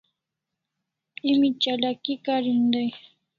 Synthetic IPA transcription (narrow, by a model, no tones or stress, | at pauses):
ɪmit͡ʃalakikaɾɪnd̪aj